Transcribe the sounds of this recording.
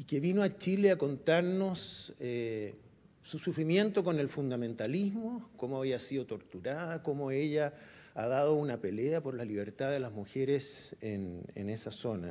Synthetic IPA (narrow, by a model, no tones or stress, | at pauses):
ikeβinoat͡ʃileako̞nt̪aɾnoseː | usufɾimje̞nt̪okone̞lfund̪amẽ̞nt̪alizmokomoaβiasiðot̪o̞ɾt̪uɾaðakomoeʎaaðað̞ounapeleapoɾlaliβ̞eɾt̪aðelazmuçeɾesenḛnesaso̞na̰